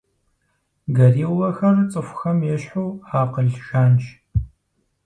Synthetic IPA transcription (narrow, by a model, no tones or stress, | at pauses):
ɡɐriːwɐxɐrt͡sʼɨxʷʊxɐmjɛɕħuːaːqəɮʒaːnt͡ʃ